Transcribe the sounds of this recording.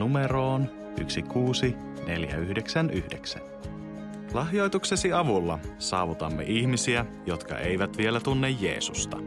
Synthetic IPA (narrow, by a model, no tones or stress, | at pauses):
ume̞ɾo̞ːn | y̰ksikuːsi | ne̞̰ljæ̰yhde̞ksænʔyhde̞ksæ̰n | lɑɦjo̞jt̪ukse̞siɑʋulːɑsɑːʋut̪ɑmːḛʔiçmisiæ | jo̞t̪kɑ̰ʔe̞jʋæt̪ʋie̞læt̪unːejːḛːsust̪ɑ̰